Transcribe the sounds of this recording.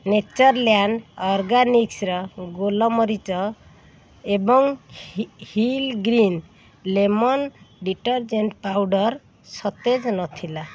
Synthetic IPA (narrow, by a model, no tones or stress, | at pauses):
net͡ʃɔɾljanɖɔɾɡaniksɾɔɡolɔmɔɾit͡ʃɔ | ebɔŋ | hilɡɾin | lemɔnɖiʈɔɾd͡ʒeɳʈpawɖɔɾ | sɔt̪ed͡ʒnɔt̪ʰila